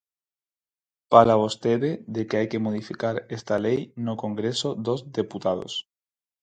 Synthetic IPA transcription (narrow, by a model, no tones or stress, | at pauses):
palaβost̪eðeðekeajke̞moð̞ifikaɾest̪alejnoko̞ŋɡɾe̞so̞ðo̞zd̪e̞put̪að̞o̰s